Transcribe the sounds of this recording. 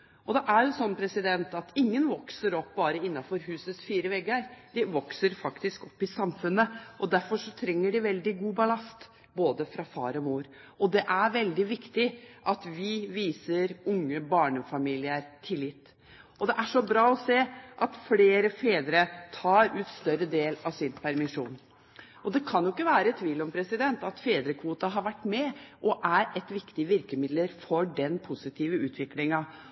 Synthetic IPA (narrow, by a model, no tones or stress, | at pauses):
ʔɔd̪ɛʔæɾjʊsɔnːpʰɾɛsɪd̪ɛnt̪ɑt̪ɪŋːənʋɔksəɾɔpːbɑːɾəɪnːɑfɔɾɦʉːsəsfiːɾəʋɛɡəɾd̪̥ɪʋɔksəɾfɑkt̪ɪskɔpːɪsɑmfʉnːəʔɔd̪æɾfɔʂɔt̪ʰɾɛŋːəɖɪʋɛld̪ɪɡuːbɑlɑst̪ | boːd̪əfɾɑfɑ̰ːɾɔmuːɾ | ɔd̪ɛʔæɾʋɛld̪ɪʋɪkt̪ɪʔɑt̪ʋɪʋiːsəɾʊŋːəbɑːɳəfɑmiːlɪəɾt̪ʰɪlːɪt̪ː | ʔɔd̪ɛʔæʂɔbɾɑːɔseːʔɑt̪fleːɾəfeːd̪ɾət̪ʰɑːɾʉːt̪st̪œɾəd̪eːlɑʋsɪnpʰæɾmɪʂuːn | ʔɔd̪ɛkʰɑnjʊɪkːəʋæːɾət̪ʰʋiːlɔmpʰɾɛsɪd̪ɛnt̪ɑt̪feːd̪ɾəkʰʋuːt̪ɑɦɑɾʋæʈːmɛʔɔʔæɾɛt̪ʋɪkt̪ɪʋɪɾkəmɪd̪ləɾfɔɖɛnpʰʊsɪt̪ʰiːʋəʉːt̪ʰʋɪklɪŋɑ